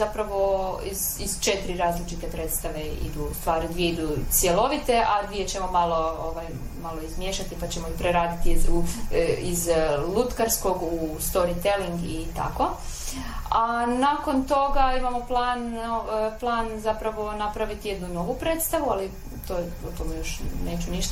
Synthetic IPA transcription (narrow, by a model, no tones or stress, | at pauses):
zapɾaʋo̞iz | izt͡ʃet̪iɾiɾaːzlit͡ʃit̪e̞pɾe̞ːt̪st̪aʋe̞ḭd̪ust̪ʋaːɾid̪ʋieid̪ut̪sje̞lo̞ʋit̪e̞ʔad̪ʋije̞t͡ɕe̞mo̞malo̞oʋaj | malˠo̞izmje̞ʃat̪ipat͡ɕe̞mo̞ipɾeɾaːd̪it̪iz | izlˠut̪kaɾsko̞ɡust̪o̞ɾit̪e̞liŋɡit̪a̰ko̞ | anako̞nt̪o̞ɡaimamo̞plˠaːnoplˠaːnzapɾaʋo̞napɾaʋit̪ije̞d̪nuno̞ʋupɾe̞ːt̪st̪aʋuali | t̪oː | ot̪omijoʃne̞ːt͡ɕuniʃt̪a